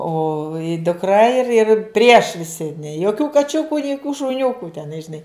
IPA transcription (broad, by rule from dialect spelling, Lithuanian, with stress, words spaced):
ˈoː dʊkˈrɐ ɪr ɪr pʲrʲiɛʃ ʋʲɪˈsʲɪ nʲeː joːˈkʲuː kɐˈt͡ʃʲʊkʊ nʲɪ joːˈkʲuː ʃʊˈnʲʊkuː tʲɛˈnɐɪ ʒʲɪˈnɐɪ